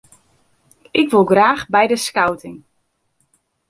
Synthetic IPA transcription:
ʔɪkʋɪlˠɡraːxbɛjdəskawtʰɪŋ

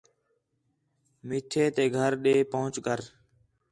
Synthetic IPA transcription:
miːʈʰeːt̪eːɡʱəɾɗeːpəɦʊ̃t͡ʃkəɾ

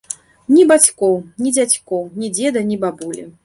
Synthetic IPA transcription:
nʲibat͡sʲkɔwnʲid͡zʲat͡sʲkɔwnʲid͡zʲɛd̪ɐnʲibabulʲḭ

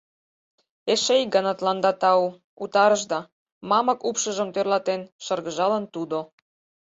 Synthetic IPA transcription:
eʃejɡɑnɑt̪lɑnd̪ɑt̪ɑu | ut̪ɑɾəʒd̪ɑ | mɑmɤ̆kupʃə̆ʒə̆mt̪ørlɑt̪enʃɤrɣəʒɑlə̆nt̪ud̪o

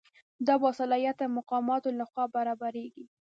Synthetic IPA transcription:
d̪ɑbɑsalɑjat̪amʊqɑmɑt̪olaxwɑbaɾɑbaɾeɡi

